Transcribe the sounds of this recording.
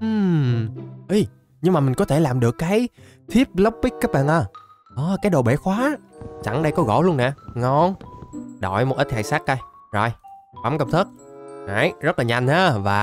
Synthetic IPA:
ʔɨ˨˩m | ʔi˨˧˦ | ɲɨ˧ŋmaː˨˩mï˨˩ŋ̟kɔ˨˦t̪ʰe˧˩laː˨˩mɗɨ˨˩əkːaː˨˦j | t̪ʰi˦˥əp̚lə˦˥wp̚ɓi˦˥k̚kaː˦˥k̚ɓa̰ː˧˨nʔəː˧˩ | ʔɔː˨˦kaː˨˦jɗo˨˩ɓe˧˩xwaː˨˦t͡ɕa˧˩ŋɗə˧jkɔ˨˦ɣɔ̰˧˩lu˧ənɛ̰˧˨˩ŋɔ˧˩nɗɔ̰˧˨˩jmo˨˩t̚ʔə˦˥t̚t̪ʰaː˨˩jsaː˦˥k̚kə˧˩j | zɔ˨˩j | ɓa˨˦mkə˧˩m̚t̪ʰə˦˥t̚aː˨˦jzə˦˥t̚laː˨˩ɲa˧jŋ̟ʔaː˨˦vaː˨˩

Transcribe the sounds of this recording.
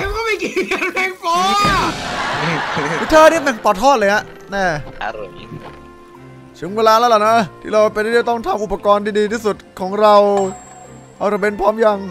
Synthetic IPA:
kɔː˥˩ma˥˩jki˧ka˧na˧˥˩kpɔ˦˥ | wi˦˥t̪ʰaː˧˩ni˥˩˧mja˨˩ŋpɔː˨˩t̪ʰːɔː˥˩lɤː˧ŋa˦˥ʔ | nɛː˥˩˧ | t͡ɕ̪ʰɯ˩˦ŋweː˧laː˧la˦˥la˨˩nɔ˦˥ʔt̪ʰiː˥˩ɾa˧wpe˧nt̪ʰiː˥˩˧t̪ɔ˥˩ŋt̪ʰa˧mʔu˨˩pːa˧kɔː˧ntʰiː˧˩diː˧t̪ʰiː˥˩su˨˩t̪̚kʰɔː˩˦ŋɾa˧w | ʔa˧˩ɾa˧˩be˧˥npʰɔː˦˥mja˧ŋ

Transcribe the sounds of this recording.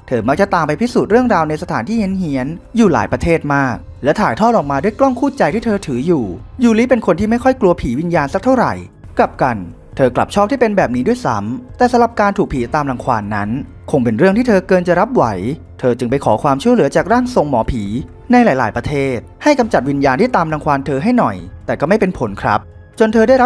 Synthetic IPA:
t̪ʰɤː˧ma˦˥k̚t͡ɕa˨˩t̪aː˨˧mpa˧jpʰi˦˥suː˨˩t̪̚ɾɯ˥˩əŋɾaː˧wna˧jsa˧t̪ʰaː˩˦nt̪ʰiː˥˩hi˨˦nhi˩˦ənjuː˨˩la̰ː˩˦jpɾa˧t̪ʰeː˥˩t̪̚maː˥˩k̚ | lɛ˦˥wt̪ʰaː˨˩jt̪ʰɔː˥˩t̪̚ɔː˨˩k̚maː˧du˥˩əjklɔ˥˩ŋkʰuː˥˩t̚t͡ɕa˧jt̪ʰiː˥˩t̪ʰɤː˧t̪ʰɯː˩˦juː˨˩juː˨˩li˦˥pe˧nkʰo˧nt̪ʰiː˥˩ma˥˩jkʰɔ˥˩jklu˧ɐpʰiː˩˦wi˧njaː˧nsa˨˩k̚t̪ʰa˥˩wɾa̰˨˩j | kla˨˩p̚ka˧n | t̪ʰɤː˧kla̰˨˩p̚t͡ɕʰɔː˥˩p̚t̪iː˥˩pe˧nbɛː˨˩p̚niː˦˥du˥˩ə˨jsa̰˦mt̪ɛː˨˩sa˨˦mɾa˨˩p̚kaː˧nt̪ʰu˨˩kpʰiː˩˦t̪aː˧mla˧ŋkʰwaː˧nːa˦˥n | kʰo˧ŋpe˧nɾɯ˥˩əŋt̪iː˥˩t̪ʰɤː˧kɤː˧nt͡ɕa˨˩ʔɾa˦˥p̚wa˩˦j | t̪ʰɤː˧t͡ɕɯ˧ŋpa˧jkʰɔ̰ː˩˦kʰwaː˧mt͡ɕʰu˥˩əlɯ˩˦ɐt͡ɕaː˨˩k̚ɾaː˥˩ŋso˨˧ŋmɔː˩˦pʰiː˩˦ | na˧jlaː˨˦jlaː˩˦jpɾa˧t̪ʰeː˥˩t̪̚ha˥˩jka˧mt͡ɕa˨˩t̪̚wi˧njaː˧nt̪ʰiː˥˩t̪aː˧mla˧ŋkʰwaː˧nt̪ʰɤː˧ɦa˥˩jnɔ˨˩jt̪ɛː˨˩kɔː˥˩ma˥˩jpe˧npʰo˩˦nkʰɾa˦˥p̚ | t͡ɕo˧nt̪ʰɤː˧daː˥˩jɾa˦˥

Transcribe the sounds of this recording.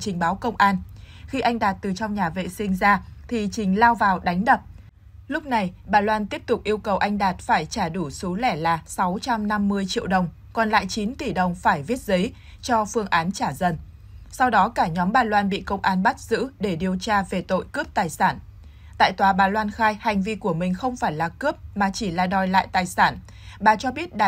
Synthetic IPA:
t͡ɕï˨˩ŋ̟ɓaː˨˦wkə˧wŋ͡mʔaː˧nxi˧ʔa˧jŋɗaː˨˩t̚t̪ɨ˨˩t͡ɕɔ˧wŋ͡mɲaː˨˩vḛ˧˨sï˧ŋ̟zaː˧t̪ʰi˨˩t͡ɕï˨˩ŋ̟laː˧wvaː˨˩wɗa˨˦jŋ̟ɗə˨˩p̚ | lʊ˦˥k͡p̚na˨˩jɓaː˨˩lwaː˧nt̪i˦˥əp̚t̪ʊ˨˩k͡p̚ʔi˧əwkə˨˩wʔa˧jŋ̟ɗaː˨˩t̚faː˧˩jt͡ɕaː˧˩ɗu˧˩so˨˦lɛ˧˩laː˨˩sa˨˦wt͡ɕa˧mna˧mːɨ˧əjt͡ɕḭ˧˨əwɗə˨˩wŋ͡m | kɔ˨˩nla̰ː˧˨jt͡ɕi˨˦nt̪i˧˩ɗə˨˩wŋ͡mfaː˧˩jvi˦˥ət̚zə˨˦j | t͡ɕɔ˧fɨ˧əŋʔaː˨˦nt͡ɕaː˧˩zə˨˩n | sa˧wɗɔ˨˦kaː˧˩ɲɔ˨˦mɓaː˨˩lwaː˧nɓḭ˧˨kə˧wŋ͡mʔaː˨˧˦nɓa˦˥t̚z̥ɨ̰˧˥ɗe˧˩ɗi˨˩əwt͡ɕaː˧ve˨˩t̪o̰˧˨jkɨ˦˥p̚t̪aː˨˩jsaː˧˩n | t̪a̰ː˧˨jt̪waː˨˦ɓaː˨˩lwaː˧nxaː˧jha˨˩jŋ̟vi˧ku˧˩əmï˨˩ŋ̟xə˧wŋ͡mfaː˧˩jlaː˨˩kɨ˦˥p̚maː˨˩t͡ɕi˧˩laː˨˩ɗɔ˨˩jla̰ː˧˨jt̪aː˨˩jsaː˧˩n | ɓaː˨˩t͡ɕɔ˧ɓi˦˥ət̚ɗa˨

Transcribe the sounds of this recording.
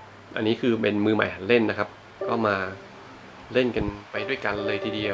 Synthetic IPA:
ʔa̰˧nːiː˦˥kʰɯː˧pe˧nmɯː˧ma̰˨˩jɦa˩˦nle˥˩nːa˦˥kʰa˦˥p̚ | kʰɔː˥˩maː˧ | le˥˩nka˧npa˧jdu˥˩əjka˧nlɤː˧jt̪ʰiː˧di˧ə

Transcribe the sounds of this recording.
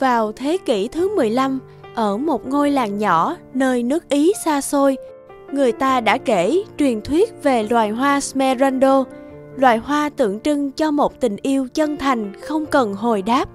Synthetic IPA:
vaː˨˩wt̪ʰe˨˦kḭ˧˩t̪ʰɨ˨˦mɨ˨˩əjla˧m | ʔəː˧˩mo˨˩t̚ŋo˧jlaː˨˩ŋɲɔ˧˥nəː˧jnɨ˦˥ək̚ʔi˨˦saː˧so˧j | ŋɨ˨˩əjt̪aː˧ɗa̰ː˧˥ke˧˩t͡ɕwi˨˩ənt̪ʰwi˦˥ət̚ve˨˩lwaː˨˩jɦwaː˧smɛ˧za˧nɗo˧lwaː˨˩jɦwaː˧t̪ɨ̰˧˨əŋt͡ɕɨ˧ŋt͡ɕɔ˧mo˨˩t̚t̪ï˨˩ŋ̟ʔi˧əwt͡ɕə˧nt̪ʰa˨˩jŋ̟xə˧wŋ͡mkə˨˩nɦo˨˩jɗaː˦˥p̚

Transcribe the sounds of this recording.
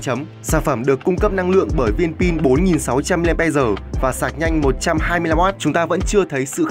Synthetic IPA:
t͡ɕə˨˦m | saː˧˩nfə˧˩mɗɨ˨˩əkːʊ˧ŋ͡mkə˦˥p̚na˧ŋlɨ̰˧˨əŋɓəː˧˩jvi˧ənpi˧nɓo˨˦nŋi˨˩nsa˨˦wt͡ɕa˧mːi˧lɓa˧zəː˨˩vaː˨˩saː˨˩k̚ɲa˧jŋ̟mo˨˩t̚t͡ɕa˧mɦaː˧jmɨ˧jla˧mʔaː˦˥t̚t͡ɕʊ˨˦ŋ͡mt̪aː˧və̰˧˥nt͡ɕɨ˧ət̪ʰə˨˦jsɨ̰˧˨x

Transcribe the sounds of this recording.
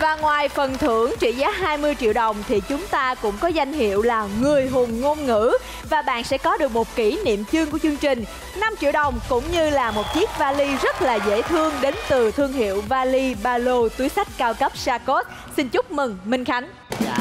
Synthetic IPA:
vaː˨˩ŋwaː˨˩jfə˨˩nt̪ʰɨ˧˩əŋt͡ɕḭ˧˩zaː˨˦˥ɦaː˧jmɨ˧əjt͡ɕḭ˧˨əwɗə˨˩wŋ͡mt̪ʰi˨˩t͡ɕʊ˨˦ŋ͡mt̪aː˧kʊ̰˧˥ŋ͡mkɔ˨˦za˧jŋ̟ɦḭ˧˨əwlaː˨˩ŋɨ˨˩əjɦo˨˩nŋo˧nŋɨ̰˧˥ | vaː˨˩ɓa̰ː˧˨nsɛ̰˧˥kɔ˨˦ɗɨ˨˩ək̚mo˨˩t̚ki˧˩nḭ˧˨əmt͡ɕɨ˧ŋku˧˩ət͡ɕɨ˧əŋt͡ɕï˨˩ŋ̟ | na˧mt͡ɕḭ˧˨wɗə˨˩wŋ͡mkʊ̰˧˥ŋ͡mɲɨ˧laː˨˩mo˨˩t̚t͡ɕi˦˥ək̚vaː˧li˧zə˦˥t̚laː˨˩zḛ˧˥t̪ʰɨ˧əŋɗe˨˦nt̪ɨ˨˩t̪ʰɨ˧əŋɦḭ˧˨əwvaː˧li˧ɓaː˧lo˧t̪u˨˦jsa˦˥jk̟̚kaː˧wkə˦˥p̚saː˧ko˦˥t̚ | si˧nt͡ɕʊ˦˥k͡p̚mɨ˨˩ŋmï˧ŋ̟xa˨˦jŋ̟

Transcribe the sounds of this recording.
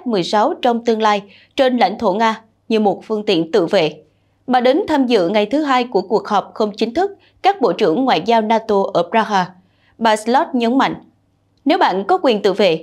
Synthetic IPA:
t̚mɨ˨˩əjsa˨˦wt͡ɕɔ˧wŋ͡mt̪ɨ˧əŋlaː˧j | t͡ɕe˧nla̰˧˩jŋ̟t̪ʰo˧˩ŋaː˧ | ɲɨ˨˩mo˨˩t̚fɨ˧əŋt̪ḭ˧˨ənt̪ɨ̰˧˨vḛ˧˨ | ɓaː˨˩ɗə˨˦ŋt̪ʰaː˧mzɨ̰˧˨ŋa˨˩jt̪ʰɨ˨˦ɦaː˧jku˧˩əku˨˩ək̚hɔː˨˩p̚xə˧wŋ͡mt͡ɕï˨˦ŋ̟t̪ʰɨ˦˥k̚ | kaː˦˥k̚ɓo̰˧˨t͡ɕɨ̰˧˩əŋːwa̰ː˧˨jzaː˧wnaː˧t̪o˧ʔəː˧˩pzaː˧ɦaː˧ | ɓaː˧˩slɔ˦˥t̚ɲə˨˦nma̰˧˨jŋ̟ | ne˨˦wɓa̰ː˧˨nkɔ˨˦kwi˨˩ənt̪ɨ̰˧˨vḛ˧˨

